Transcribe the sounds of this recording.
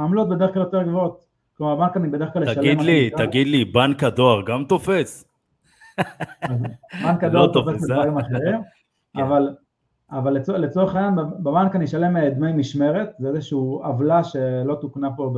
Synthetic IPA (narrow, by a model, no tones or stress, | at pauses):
amlot̪̚bede̞ʁχklaljo̞t̪eʁɡvoot̪ | klomaʁbankanibe̞de̞ʁeχklaljeʃʃaliedmlit̪aɡid̪libankad̪oaʁɡamt̪ofes | azbankadoat̪ofeseaɡemaχeʁim | aval | avalːet͡solet͡soʁeχajanbbebankaniʃale̞med̪mejmiʃme̞ʁe̞t̪zeezeʃiuavlaʃe̞lo̞t̪uknapo̞